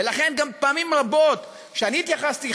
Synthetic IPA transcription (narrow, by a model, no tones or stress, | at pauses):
elaχe̞nɡampaːmimʁabo̞t̪ | ʃeaniːt̪jaχast̪i